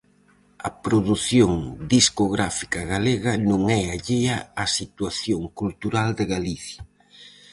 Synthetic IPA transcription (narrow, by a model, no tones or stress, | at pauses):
ɐpɾoðuθjoŋd̪iskoɣɾafikɐɣaleɣɐnõŋɛaʎeɐːsit̪waθjoŋkult̪uɾald̪ɪɣaliθjɐ